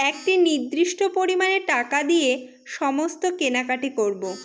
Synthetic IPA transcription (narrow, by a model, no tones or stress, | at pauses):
ɛk̚ʈinid̪ɾiʃʈopoɾimaneʈakad̪ije | ʃɔmost̪okenakaʈikoɾbo